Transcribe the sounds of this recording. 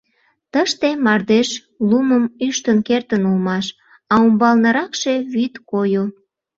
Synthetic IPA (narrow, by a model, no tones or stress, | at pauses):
t̪əʃt̪emɑrd̪eʃ | luməmyʃt̪ənkert̪ənulmɑʃ | ɑumbɑlnəɾɑkʃe̽βyt̪kojo